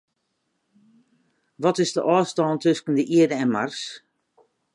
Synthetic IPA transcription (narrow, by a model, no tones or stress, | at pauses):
ʋɔtɪzdəʔɔːstɔːntʏskən̩dəʔiədəɛnmars